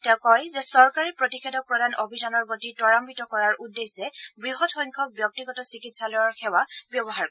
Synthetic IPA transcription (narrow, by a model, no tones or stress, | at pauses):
tɛ̃ʊkɔjzɛsɔɹkaɹipɹotikʰɛdɔk̚pɹɔdanobʱidanɔɹɡotitɔɹampitɔkɔɹaɹudːesɛbɹiɦɔtxɔjŋkʰɔk̚bjɔk̚tiɡɔtɔsikitsalɔjɔɹxʰɛwabjɔbɔɦaɹkɔ